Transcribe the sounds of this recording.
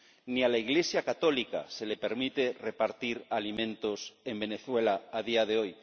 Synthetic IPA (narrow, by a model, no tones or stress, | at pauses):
nialaiɣlesjakat̪olika̰selepeɾmit̪e̞repaɾt̪iɾalimẽnt̪osembeneθwelaːðiaðeoj